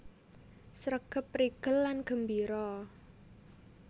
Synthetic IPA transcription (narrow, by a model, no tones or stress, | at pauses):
sɾəɡ̥ə̤pːriɡ̥əlːanɡ̥ə̤mbiɾɔ